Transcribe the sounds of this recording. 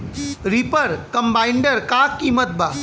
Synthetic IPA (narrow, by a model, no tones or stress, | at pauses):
ɾipəɾkɐmbaːɪɳɖəɾkaːkːimət̪̚baː